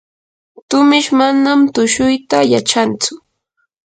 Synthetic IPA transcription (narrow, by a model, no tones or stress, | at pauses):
t̪ʊmɪʃmanamt̪ʊʃʊjt̪ajat͡ʃant͡sʊ